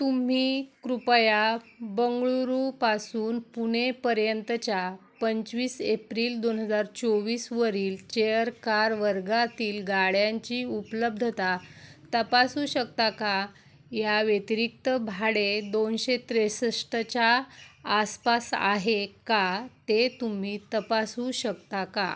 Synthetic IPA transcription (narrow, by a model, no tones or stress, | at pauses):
t̪um̤ikɾupəjabəŋɡɭuɾupasuːnpuɳ̃epəɾjənt̪ət͡ɕja | pəɲt͡ɕʋiːsepɾiːld̪onɦəd͡zaɾt͡soʋiːsʋəɾiːlt͡ɕejəɾkaɾʋəɾɡat̪iːlɡaɭjãɲt͡ɕiːupləb̚d̪ʱət̪at̪əpasuːɕək̚t̪aka | jaʋjet̪iɾik̚t̪əbʱaɽed̪onɕet̪ɾesəʂʈət͡ɕaː | spasa̰ɦekat̪et̪um̤iːt̪əpasuɕəkt̪aka̰